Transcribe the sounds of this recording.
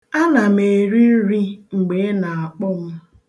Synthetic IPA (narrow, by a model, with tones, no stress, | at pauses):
a˦na˨m̩e˨ɾi˦n̩˦ɾi˦ŋ͡m̩˨ɡ͡be˨˦na˨a˨k͡pʊ˦m̩˦